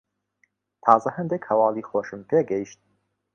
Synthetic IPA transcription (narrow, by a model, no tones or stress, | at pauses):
t̪ʰɑːzɐhɐnd̪ekhɐwɑːliːxoːʃɨmpʰeːɡɐjiʃt̪̚